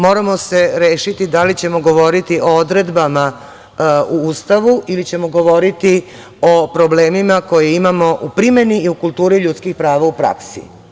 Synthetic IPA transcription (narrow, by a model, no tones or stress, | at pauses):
mo̞ːɾamo̞se̞ɾeːʃit̪id̪alit͡ɕe̞mo̞ɡo̞ʋo̞ɾit̪iʔo̞od̪ɾe̞d̪bama | uust̪aʋuilit͡ɕe̞mo̞ɡo̞ʋo̞ɾit̪i | o̞pɾo̞ble̞ːmimako̞jeimamo̞ʔupɾime̞niiukulˠt̪uːɾiʎut̪skixpɾaːʋaupɾa̰ksḭ